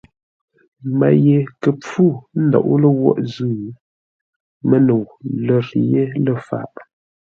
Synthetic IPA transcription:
ma̰˨je˨kə˨p͡fu˦˨n̩˦dɔ̰˨ʔu˦lə˦wɔ̰˦ʔzʉː˦˨ | mə˦no˨wlə˨ɾje˦lə˨fa̰˨ʔ

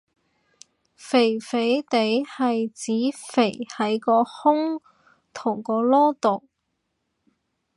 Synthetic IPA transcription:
fe˨˩jfe˨˥jt̪e˨˥jhɐ˨jt͡siː˨˥fe˨˩jhɐ˨˥jkɔː˧hʊ˥ŋ | t̪ʰʊ˨˩ŋkɔː˧lɔː˥t̪o˨w

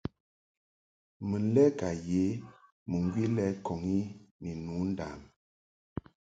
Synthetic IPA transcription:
mə˨n˦lɛ˦ka˨je˨˦ | mə˨ŋɡwi˦lɛ˦kɔ˨ŋi˦ni˨nu˨˦n˦da˨m

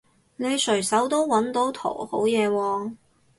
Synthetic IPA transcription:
ne˨˧jsʰɵ˨˩sɐ˨˥wt̪o˥wːɐ˨˥nt̪o˨˥wt̪ʰo̰˨˩who˨˥wjɛː˨˧wɔː˧

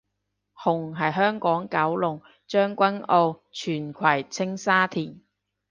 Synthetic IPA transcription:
hʊ˨˩ŋɦɐ˨jɦœː˥ŋkɔː˨˥ŋkɐ˨˥wlʊ˨˩ŋ | t͡ʃœː˥ŋkʷɐ˥no˧wt͡ʃʰyː˨˩nkʷʰwɐ˨˩jt͡sʰɪ˥ŋsaː˥t̪ʰiː˨˩n

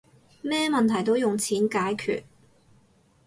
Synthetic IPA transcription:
mɛː˥mɐ˨nt̪ʰɐ˨˩jt̪o˥wjʊ˨ŋt͡sʰiː˨˥nkaː˨˥jkʰy̰ː˨t̚

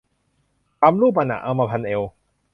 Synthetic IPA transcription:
pa˧mluː˥˩p̬a˧na̰˨ʔa˧ma˧pʰa˧ne˧w

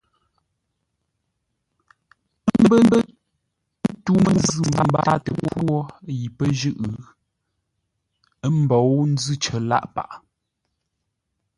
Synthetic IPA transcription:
m̩˦bə˦bə˦ | n̩˦tu˦mə˦zʉ˦˨m˨ə˨m˦ba̰˦tə˨˦ɔ˦ji˨pə˦ʒʉ˦ʔ | ə˦m˦˨bɔ˨˦wn̩˦d͡zʉ˦t͡ʃə˨la̰˦ʔpa̰˨ʔ

